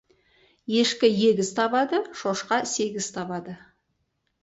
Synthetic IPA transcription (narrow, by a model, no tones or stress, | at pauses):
je̞ʃkʲɪje̞ɡʲɪzt̪ʰɑbɑd̪əʃo̞ʃqɑse̞ɡʲɪz̥t̪ʰɑbɑd̪ə